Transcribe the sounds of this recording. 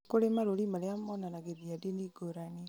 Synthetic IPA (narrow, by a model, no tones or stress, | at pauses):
koɾemaɾoɾimaleamɔnanaɡeðiadiniɡoɾani